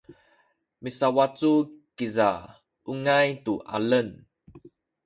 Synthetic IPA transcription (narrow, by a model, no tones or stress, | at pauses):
misawat͡sukiza | uŋajtuʔa̰lən